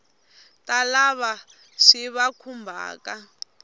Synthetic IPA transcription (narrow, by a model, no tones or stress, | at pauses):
talaβa | ʂiβakʰumbʱa̰ːka